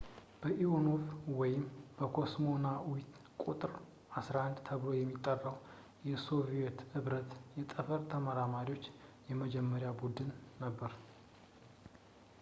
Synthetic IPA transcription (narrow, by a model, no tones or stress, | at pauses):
b̥əʔionovwɔjɪmb̥əkʰo̞smo̞nawit̪ | kʷʼut̪ʼɨɾ | ʔasɾahand̪t̪ʰəβlo̞jɛmːit̪ʼːərːəw | jɛso̞viɛt̪ɨβɾət̪jɛt̪ʼəfəɾt̪ʰəməɾamaɾio̞t͡ʃːjɛməd͡ʒɛmːəɾjabud̪ɨnːəbːəɾ